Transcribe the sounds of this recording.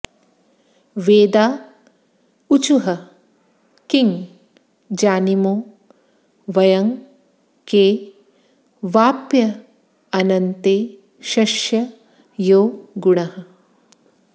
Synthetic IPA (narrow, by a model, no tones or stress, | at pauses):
ʋeːd̪aː | ut͡ʃuɦɐ | kiŋ | d͡ʒaːnimoː | ʋɐjɐŋ | keː | ʋaːpjɐ | ɐnɐnt̪eː | ʃɐʃjɐ | joːɡuɳɐɦɐ